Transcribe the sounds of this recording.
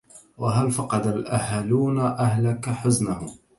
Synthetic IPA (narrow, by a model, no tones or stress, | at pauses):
waɦalfɑqɑd̪alʔahaluːnaʔahlakaħʊznahʊ